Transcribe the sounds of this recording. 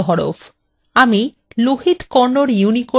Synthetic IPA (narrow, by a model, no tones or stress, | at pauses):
ɦɔɾo̰f | ami | luɦit̪kɔɾnoɾjuniko